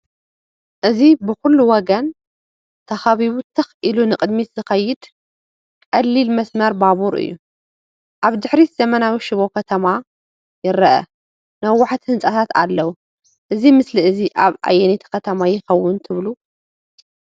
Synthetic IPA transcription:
ʔɨzibɨxulːuwɔɡɐn | t̪ʰɐxaβiβut̪ʰɐxʔilunɨkʼɨd̪mit̪z̥ɨxɐjːɪd̪ | kʼɐlːilmɐsmɐɾbaβuɾɨ̰jːu | ʔaβd̪ɨħɾiz̥ɐmɐnawiʃɨβo̞kʰɐt̪ʰɐma | jɪɾɐʔɐ̰ | nɐwʊħt̪hɨnt͡sʼat̪ʰat̪a̰lːɐwu | ʔɨzimɨsliɨziʔaβʔa̰jɛnet̪ʰkʰɐt̪ʰɐmajɪxɐwːʊnt̪ʰɨβlu

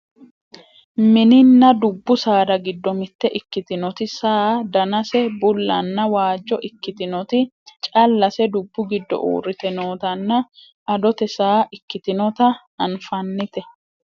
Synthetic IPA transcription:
mɪnɪnːɐd̪ʊbːʊsaːd̪ɐɡɪd̪ːɔmɪt̪ːɛʔɪkːɪt̪ɪnɔt̪ɪsaːd̪ɐnɐsɛbʊlːɐnːɐwaːd͡ʒːɔʔɪkːɪt̪ɪnɔt̪ɪ | t͡ʃʼɐlːɐsɛd̪ʊbːʊɡɪd̪ːɔ̰ʔṵːɾɪt̪ɛnoːt̪ɐnːɐ | ʔɐd̪ɔt̪ɛsaːʔɪkːɪt̪ɪnɔt̪ɐ | ɐnfɐnːɪt̪ɛ

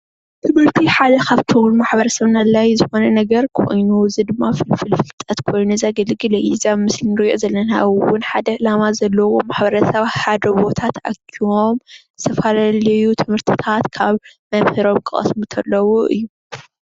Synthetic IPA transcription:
t̪ʰɨmɨɾt̪ʰiħad̪ɐkʰaβt̪ʰɐwulumaħbɐɾɐsɐβnalajzɨxo̞nɐnɐɡɐɾkʰo̰jnuzɨd̪ɨmːafɨlfɨlfɨlt̪ʼɐt̪kʰo̞jnuzaɡɐlɡɨlɐʔizamɨslinɨɾɨjozɐlːɐnaɨwʊnħad̪ɐʔɨlamazɐlːɐwo̞maħbɐɾɐsɐβħad̪ɐbo̞t̪ʰat̪ʔakʰiwomzɨt̪ʰɐfalalɐjut̪ʰɨmhɨɾt̪ʰɨ̥t̪ʰat̪kʰaβmɐmhɨɾo̞mkʰɨχʼɐ̰smut̪ʰɐlːɐwoʔɨ̰jːu

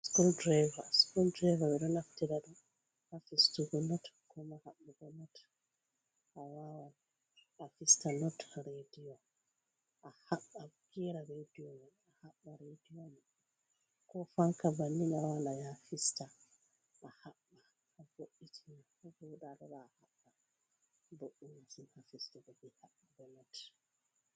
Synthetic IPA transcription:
skuldɾajvaskuldɾavaɓɛɗɔnaftɛɗaɗɔ | hafistuɡɔnɔtkɔmahaɓːaɡɔnɔt | ʔawawan | afistanɔtɾediɔ | ʔahaɓːaɡɛɾaɾediomɛ | ahaɓːaɾedionɛ | kɔfaŋkabanːinawawanajafista | ʔahaɓːa | boʔːitʰina | buɗaɗɔbaːhaɓːa | boʔːunasinhafistabɔbihaɓːuɡɔnɔt

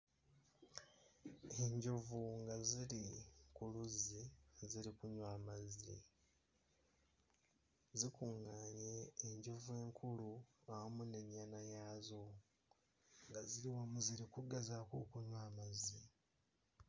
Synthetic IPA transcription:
e̞ɲɟuvuŋɡaziɾikuluziziɾikuɲwaːmazḭ | zikuːŋɡaːɲeːɲɟuvue̞ːŋkʰuluawomuneɲːaːnajaːzo | ŋɡaziɾiwomuziɾikuɡazakokuɲwaːmazi

